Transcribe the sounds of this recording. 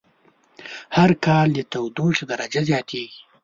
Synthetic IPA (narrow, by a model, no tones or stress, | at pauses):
haɾkɑld̪ət̪awd̪oʂd̪aɾad͡ʒazjɑt̪ʰeɡi